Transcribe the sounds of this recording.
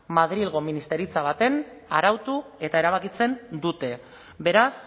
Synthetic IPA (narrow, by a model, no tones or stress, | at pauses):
maðɾilɣ̞o̞minist̪e̞ɾit͡saβ̞at̪e̞naɾawt̪ue̞t̪ae̞ɾaβ̞akit͡se̞nd̪ut̪e̞ | be̞ɾas